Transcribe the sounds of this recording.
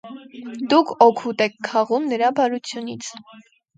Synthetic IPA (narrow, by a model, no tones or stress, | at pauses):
d̪ukʰɔkʰut̪ɛkʰːɑʁumnəɾɑbɑɾut͡sʰjunit͡sʰ